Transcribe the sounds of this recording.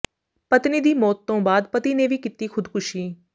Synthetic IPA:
pət̪niːd̪iːmɔːt̪ːõːbaːd̪pət̪iːneːʋiːkɪt̪iːkʰʊd̪kʊʃiː

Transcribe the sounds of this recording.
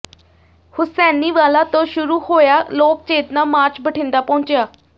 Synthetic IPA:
hʊsɛːniːʋaːlaːt̪õːʃʊɾuːhoːjaːloːk̚t͡ʃeːt̪naːmaːɾt͡ʃbəʈʰɪ̃nd̪aːpɔ̃ːnt͡ʃejaː

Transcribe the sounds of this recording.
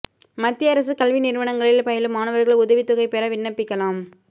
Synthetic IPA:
mɐt̪ːɪjɐɾɐs̬ɯkɐlʋinɪɾʋɐɳɐŋɡɐɭɪlpɐjɐlɯmaːnɐʋɐɾɣɐɭʊðɐʋɪt̪ːʊɣɐɪpeːɾɐʋɪɳːɐpːɪkːɐlaːm

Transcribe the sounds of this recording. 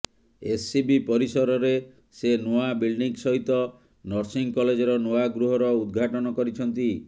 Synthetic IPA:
esːibipɔɾisɔɾɔɾe | senoabilɖiŋsɔɦit̪ɔ | nɔɾsiŋkɔled͡ʒɔɾɔnoaɡɾuɦɔɾɔud̪ɡʱaʈɔnɔkɔɾit͡ʃʰɔnt̪i

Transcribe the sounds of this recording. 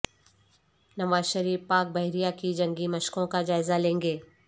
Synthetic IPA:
nɐʋaːzʃəɾiːfpaːk̚bɐɦɾijakid͡ʒɐ̃ŋɡimɐʃkõkad͡ʒaːɪzalẽːŋɡeː

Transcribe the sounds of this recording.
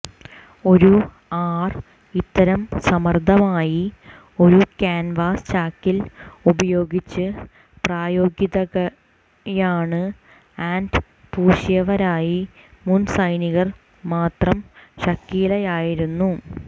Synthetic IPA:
o̞ɾu | aːr | it̪ːɐɾɐmsɐmɐrd̪ʱɐmaːji | o̞ɾukaːnʋaːst͡ɕaːkːilubɐjo̞ːɡit͡ɕːɨ | praːjo̞ːɡjiðɐɐ | jaːɳɨ | aːnd | puːɕjɐʋɐɾaːjimunsɐjniɣɐr | maːt̪rɐmɕɐkːiːlɐjaːjiɾunːu

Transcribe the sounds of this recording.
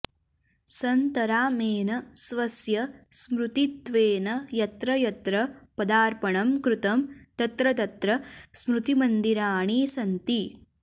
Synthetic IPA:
sɐnt̪ɐɾaːmeːnɐsʋɐsjɐsmɾut̪it̪ʋeːnɐjɐt̪ɾɐjɐt̪ɾɐpɐd̪aːɾpɐɳɐmkɾut̪ɐmt̪ɐt̪ɾɐt̪ɐt̪ɾɐsmɾut̪imɐnd̪iɾaːɳiːsɐnt̪i

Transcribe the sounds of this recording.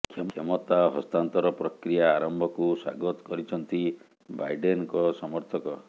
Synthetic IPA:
kʰekʰemɔt̪aɦɔst̪ant̪ɔɾɔpɾɔkɾijaːɾɔmbʱɔkuswa̰ɡɔt̪ɔ̥kɔɾit͡ʃʰɔnt̪i | bajɖenkɔsɔmɔɾt̪ʰɔkɔ

